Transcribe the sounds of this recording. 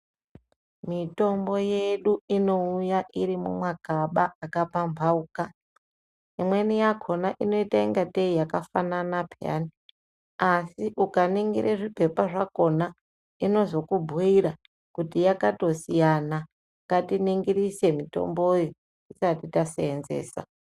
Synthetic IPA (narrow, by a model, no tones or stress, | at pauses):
mito̞mbo̞je̞ɗuino̞ujaʔiɾimṵmwakaɓaakapambʱauːka | imwe̞nijakʰo̞naʔino̞itaiŋɡateijakafananapʰea̰ni | asiʔukaniŋɡḭɾeʐipe̞paʐako̞na | ino̞zo̞kubʱuiɾa | kutijakato̞sijana | ŋɡatiniŋɡiɾise̞mito̞̰mbojo | isatitaseenzḛːsa̰